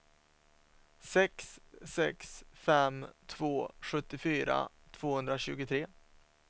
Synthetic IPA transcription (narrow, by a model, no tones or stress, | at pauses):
sɛksːɛ̰ksfɛmt̪ʰvoːɧɵt̪ːɪfyːɾa̰ | t̪ʰv̥oːhɵnd̪ɾaɕʉ̟̰ːɡʊt̪ʰɾeː